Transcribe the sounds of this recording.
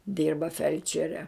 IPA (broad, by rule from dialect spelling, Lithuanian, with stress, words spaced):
ˈdʲiːrbɐ ˈfʲɛlʲt͡ʃʲɛrʲɛ